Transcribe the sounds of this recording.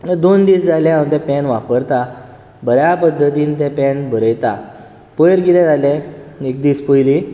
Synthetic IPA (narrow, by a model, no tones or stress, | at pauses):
nəd̪ond̪iːsd͡zaljaaət̪ɛ̃pɛnʋapəɾt̪a | bʱəɾjapəd̪ʱːət̪ĩːnt̪ɛ̃pɛnbʱəɾəjt̪a | pəjɾɡit̪ɛ̃d͡zalɛ̃ek̚d̪iːspəjli